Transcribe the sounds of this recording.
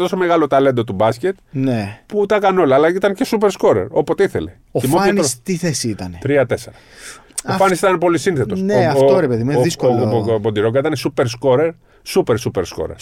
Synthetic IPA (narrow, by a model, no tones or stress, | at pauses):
t̪o̞some̞ɣɐlo̞t̪ɐle̞nd̪o̞t̪ubɐsce̞t̪̚neput̪ɐkɐno̞lɐːlɐit̪ɐncesupe̞ɾsko̞ɾe̞̰ɾo̞pot̪eiθe̞̰le̞ | oimoenost̪iθesiit̪ɐnet̪ɾiɐt̪e̞se̞ɾɐ | ofɐnisit̪ɐnepo̞lisinθe̞t̪o̞sneɐoɾepeðimeðiskobo̞nd̪iɾoŋɡɐit̪ɐnesupe̞ɾs̬ko̞ɾeɾ | supe̞ɾsupe̞ɾsko̞̰ɾḛɾ